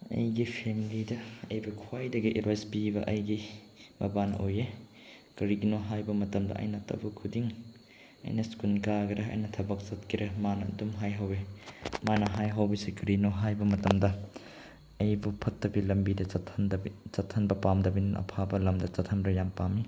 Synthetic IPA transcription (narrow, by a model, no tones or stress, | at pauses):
ɐ̰jɡipʰemilidɐɐ̰jbɐkʰwajdɐɡiʔeɾajspibɐʔɐjɡi | mɐbanɐ̰ʔoje | kɐɾiɡinoɦajbɐmɐtɐmdɐ̰ʔɐ̰jnɐtɐ̰bɐkʰudiŋ | ɐ̰jnɐskunkaɡɐɾɐɐ̰jnɐtʰɐbɐk̚t͡ʃɐt̚kʰiɾɐmanɐdumɦajɦɐwemanɐɦajɦɐwbisikɐɾinoɦajbɐmɐtɐmdɐ | ɐjbupʰɐtːɐbilɐmbidɐtʰnt͡ʃɐtʰːɐnbɐpamdɐbinɐʔɐ̰pʰabɐlɐmdɐt͡ʃɐtʰɐmɾɐjampami